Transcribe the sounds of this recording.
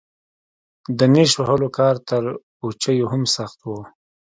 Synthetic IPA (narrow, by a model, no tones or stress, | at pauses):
d̪əneʃwahəlokɑːɾt̪əɾ | ot͡ʃəjoɦamsaxt̪wo